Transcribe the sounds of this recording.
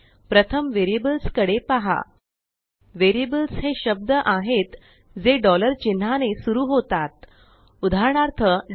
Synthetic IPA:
pɾət̪ʰəmʋeɾiebəlskəɽepaɦa̰ | ʋeɾiebəlsɦeɕəb̚d̪əʔaɦet̪ | d͡zeɖɔləɾt͡ɕin̤ːanesuɾuːɦot̪at̪̚ | ud̪ʱaɾɳaɾt̪ʰə

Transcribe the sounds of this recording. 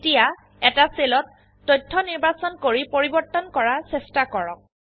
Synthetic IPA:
tija | ɛtaselɔtː | ɔjtʰːɔniɹbasɔnkoɹipoɹibɔɹtːɔnkɔɹasɛstakɔɹɔ̰k̚

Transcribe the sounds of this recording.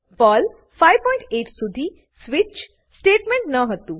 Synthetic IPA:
pɔl | fajʋpɔĩɳʈeʈsud̪ʱiː | sʋit͡ʃ | sʈeʈmẽɳʈnəɦət̪ũ

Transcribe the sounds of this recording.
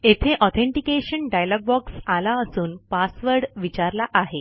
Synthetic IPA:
et̪ʰeʔɔt̪ʰẽɳʈikeɕənɖajlɔɡ̚bɔksalaəsuːnpasʋəɾɽʋit͡ɕaɾlaʔaɦe

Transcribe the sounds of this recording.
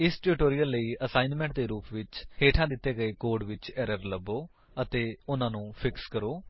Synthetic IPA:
ɪsʈʊɾɪʈoːɾijəlːəiːəsaːinmɛ̃ɳʈ̚d̪eːɾuːpʋɪt͡ʃheːʈʰãːd̪ɪt̪ːeːɡəeːkoːɾɖʋɪt͡ʃɛːɾəɾləboː | ət̪eːʊnãːnũːpʰɪkskəɾoː

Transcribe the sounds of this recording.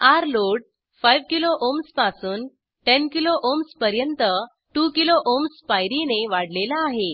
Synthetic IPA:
aɾloɽ | fajʋkiloʔomspasuːn | ʈenkiloʔomspəɾjənt̪ə | ʈukiloʔomsfajɾineʋaɽ̤lelaːɦe

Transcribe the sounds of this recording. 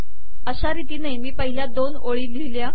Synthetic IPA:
əɕaɾit̪iːnajmiːpəɦiljad̪onoɭiːliʋlja

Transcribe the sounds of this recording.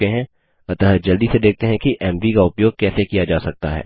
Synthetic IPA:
eɦɛ̃ | ɐt̪əɦəd͡ʒɐld̪ised̪eːk̚t̪ẽɦɛ̃kiʔɛːmʋikaʊpjoːɡ̚kɛːsekijad͡ʒaːsɐk̚t̪a̰ɦɛ̰ː

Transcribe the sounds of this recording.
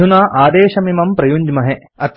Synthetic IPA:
unaːʔaːd̪eːʃɐmimɐmpɾɐjuɲd͡ʒmɐɦe | ɐt̪

